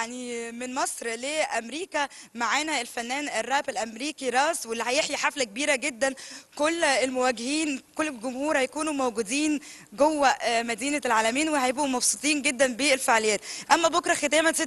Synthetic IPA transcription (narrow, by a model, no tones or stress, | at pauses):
jaʕnimenmɑsˤɾleːʔæmɾiːkæmaʕaːnæelfænːæːnerˤːæːbelʔæmɾiːkiɾˤɑːswelːihæjeħjiħaflækebiːɾæɡed̪ːænkolːelmowæɡehiːnkolːlɡʊmhuːɾhæjækuːnumowɡud̪iːn | ɡowːæmæd̪iːnælʕaːlæmiːnwehæjebʔumɑbsˤut̪ˤiːnɡed̪ːænbeelfeʕlejːæːt̪ʔæmːæbokɾˤɑxet̪æːmæse